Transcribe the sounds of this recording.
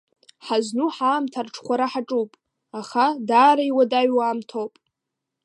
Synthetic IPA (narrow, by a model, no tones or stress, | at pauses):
ħaznuħaːmtʰarʈ͡ʂʰχʷaɾaħaʈ͡ʂʼuwpʼ | aχadaːɾaiwadaɥwaːmtʰowpʼ